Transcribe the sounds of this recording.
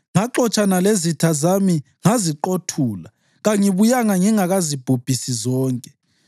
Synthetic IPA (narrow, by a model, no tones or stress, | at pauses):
ŋaǃɔt͡ʃʼanalezitʰazami | ŋaziǃotʰuːla | ɣaŋiβujaŋaŋiŋaɣazib̥ʱub̥ʱisizɔːŋkʼɛ̥